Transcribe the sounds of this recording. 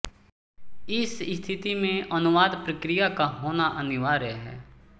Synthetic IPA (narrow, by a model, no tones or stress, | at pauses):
ɪsst̪ʰɪt̪imẽənʊʋaːd̪pɾəkɾijakaɦoːnaʔənɪʋaːɾɛɦɛ̰ː